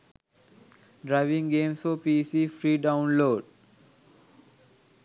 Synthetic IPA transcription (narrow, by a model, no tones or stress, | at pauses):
ɖɾaɪʋĩŋɡeːmsoːpiːsiːfɾiːɖãʊ̃nloːɖ